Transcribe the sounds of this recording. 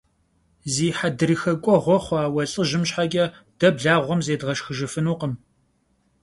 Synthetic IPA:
ziːħadɨɾixɐkʷʼɔʁʷɔχʷɑːwɐɬʼɨʒɪmɕħaɡʲʼɐ | d̥ɐbɮaːʁʷɔmzeːdʁɐʃxɨʒɨfɨnuːqəm

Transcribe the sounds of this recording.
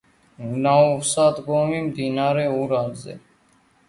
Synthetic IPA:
naːfsaːt̪ɡoːmiːmd̪iːnaːɾeːuːɾaːlzḛː

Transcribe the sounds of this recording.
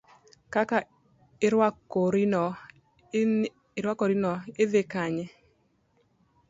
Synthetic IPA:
kaka | ɪɾwakːoɾinɔ | ɪɾwakoɾinɔɪðɪkaɲɛ

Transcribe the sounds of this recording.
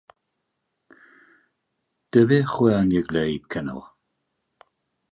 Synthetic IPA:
d̥əvɪχwɛanjəɡlejb̥̚kʰənɔ̰lˠ

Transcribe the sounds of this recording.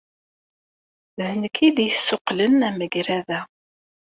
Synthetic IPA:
hənəkʰiðjəsːʊqlənæməɡɾæðæ

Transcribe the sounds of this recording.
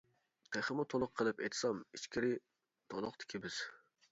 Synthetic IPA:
t̪ʰeχəmʊt̪ʰolˠʊqʰəlˠɨpḛjt̪sɑmit͡ʃkʲiɾɪ | t̪ʰolˠʊqt̪ʰɪ̥kʲʰibɪz̥

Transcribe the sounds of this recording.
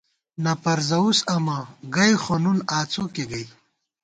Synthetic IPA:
nɐpɐɾzɐusɐmɐɡɐjxonunaːt͡sʰokeɡɐj

